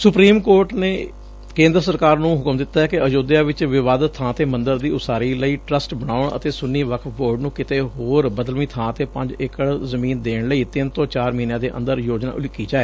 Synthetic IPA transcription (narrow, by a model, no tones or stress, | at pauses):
sʊpɾiːmkoːɾʈneː | kẽːnd̪ɾəsəɾkaːɾnũːɦʊkəmd̪ɪt̪ːaːɛːkɪəd͡ʒoːd̪jaːʋɪt͡ʃʋɪʋaːd̪ət̪ʰːãːt̪eːmə̃nd̪əɾd̪iːʊsaːɾiːləiːʈɾəsʈbəɽ̃aːʊɳə̰t̪eːsʊnːiːʋəkʰboːɾɖnũːkɪt̪eːɦoːɾbəd̪əlmĩːt̪ʰãːt̪eːpəɲd͡ʒɪkəɽzəmĩːnd̪eːɳləiːt̪ɪnt̪õːt͡ʃaːɾmiːnjãːd̪eːʔə̰̃nd̪əɾjoːd͡ʒna̰ːʔʊlɪkːiːd͡ʒaːɛː